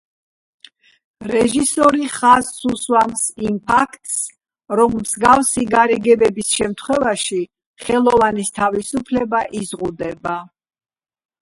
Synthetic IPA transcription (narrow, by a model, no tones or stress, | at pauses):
ɾɛʒisɔɾiχazːuswamsimpʰakʰt̪ʰs | ɾɔmːzɡafsiɡaɾɛɡɛbɛbisʃɛmt̪ʰχwɛvaʃi | χɛlˠɔvanist̪ʰavisupʰlɛbaʔizʁud̪ɛba